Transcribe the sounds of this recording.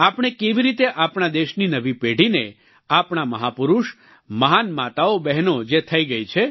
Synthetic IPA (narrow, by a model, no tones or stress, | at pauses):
apɳ̃ekeʋiɾit̪eʔapɳ̃ad̪eʃninəʋipeɽ̤ine | apɳ̃aməɦapʊɾuʃ | məɦanmat̪aobɛɦnod͡ʒet̪ʰəiɡəit͡ʃʰe